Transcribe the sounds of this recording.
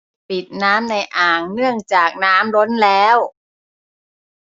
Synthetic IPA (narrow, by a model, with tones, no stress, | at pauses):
pi˨˩t̪̚naː˦˥mna˧jʔaː˨˩ŋnɯ˥˩əŋt͡ɕaː˨˩k̚naː˦˥mlo˦˥nlɛː˦˥w